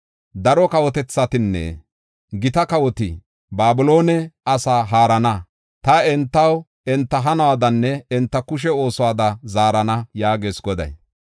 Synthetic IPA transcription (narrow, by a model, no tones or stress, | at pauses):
d̪ɐɾɔkɐwɔt̪ɛt͡sːɐt̪ɪnːɛ̰ | ɡɪt̪ɐkɐwɔt̪ɪ̰ | baːbɪlo̞ːnɛɐsaːɦaːɾɐnɐ | t̪ɐɛnt̪ːɐw | ɛnt̪ːɐɦɐnɐwaːd̪ɐnːɛɛnt̪ːɐkʊʃ̬ɛo̞ːsɔwaːd̪ɐzaːɾɐnɐjaːɡe̞ːsɡɔd̪ɐ̰j